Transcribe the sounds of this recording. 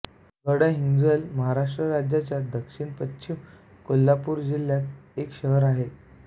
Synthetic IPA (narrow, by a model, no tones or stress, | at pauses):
ɡəɽaɦiŋd͡zəlməɦaɾaʂʈɾəɾad͡ʑjat͡ɕjad̪əkʂiɳpətːɕʰim | kolːapuːɾd͡ʑilːjakekɕəɦəɾaɦe